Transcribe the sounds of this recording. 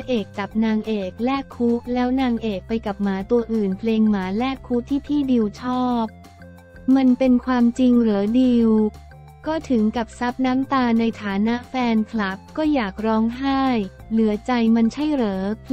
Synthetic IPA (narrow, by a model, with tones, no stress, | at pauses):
ʔeː˨˩k̚t͡ɕa˨˩p̚naː˧ŋʔeː˨˩k̚lɛː˥˩kʰːuː˦˥k̚lɛː˦˥wnaː˧ŋʔeː˨˩k̚pa˧jkla˨˩p̚maː˩˦t̪u˧ɐʔɯː˨˩npʰleː˧ŋmaː˩˦lɛː˥˩kʰːuː˦˥t̪ʰiː˥˩t̪ʰiː˥˩di˧wt͡ɕʰɔː˥˩p̚ | ma˧npe˧nkʰwaː˧mt͡ɕi˧ŋɾɤː˩˦diː˧w | kɔː˥˩t̪ʰɯ˩˦ŋka˨˩p̚sa˦˥p̚naː˦˥mt̪aː˧na˧jt̪ʰaː˩˦na˦˥ʔfɛː˧nkʰla˨˩p̚kɔː˥˩jaː˨˩k̚ɾɔː˦˥ŋɦaː˥˩j | lɯ˩˦ɐt͡ɕa˧jma˧nt͡ɕʰa˥˩jɾɤː˩˦